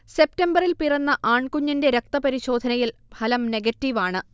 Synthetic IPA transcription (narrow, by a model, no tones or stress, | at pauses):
se̞p̚tɐmbɐrilpirɐnːɐʔaːɳkuɲːɐnde̞ɾɐk̚t̪ɐpɐɾiɕo̞ːd̪ʱɐnɐjilbʱɐlɐmne̞ɡɐtːiʋaːɳɨ